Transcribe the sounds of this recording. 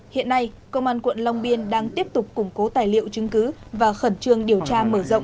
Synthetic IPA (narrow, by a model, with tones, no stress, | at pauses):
hḭ˧˨ənːa˧j | kə˧wŋ͡mʔaː˧nkwə̰˧˨nla˧wŋ͡mɓi˧ənɗaː˧ŋt̪i˦˥əp̚t̪ʊ˨˩k͡p̚kːʊ˨˩ŋ͡mko˨˦t̪aː˨˩jlḭ˧˨ə˨wt͡ɕɨ˨˦ŋkɨ˨˦vaː˨˩xə˧˩nt͡ɕɨ˧˩əŋɗi˨˩əwt͡ɕaː˧məː˧˩zə̰˧˨wŋ͡m